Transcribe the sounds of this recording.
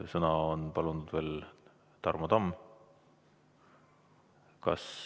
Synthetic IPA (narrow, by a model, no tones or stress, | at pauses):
sɤnɑonpɑlunud̪̥ve̞ːl | t̪ɑrmod̪ɑmː | kɑ̰s